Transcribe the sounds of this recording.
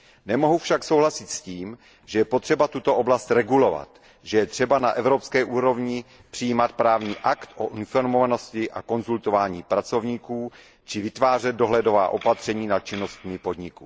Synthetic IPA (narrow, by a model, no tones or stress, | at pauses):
nɛmo̞ɦufʃaksowɦlasɪt̪sciːm | ʒ̥ɛjɛpot̪r̥ɛbat̪ut̪o̞ʔoblast̪ɾɛɡulo̞va̰t̪ | ʒɛjɛt̪r̝̥ɛbanaʔɛvɾopskɛːʔuːɾo̞vɲɪ | pr̥ɪjiːmat̪̚pɾaːvɲiːʔakt̪ʔoʔɪnfoɾmovano̞scɪʔa̰ko̞nzult̪ovaːɲiːpɾat͡so̞vɲiːkuː | t͡ʃɪvɪt̪vaːrɛd̪̚do̞ɦlɛdo̞va̰ːʔo̞pat̪r̝̥ɛɲiːnat̪̚t͡ʃɪno̞st̪mɪpo̞d̪ɲɪkṵː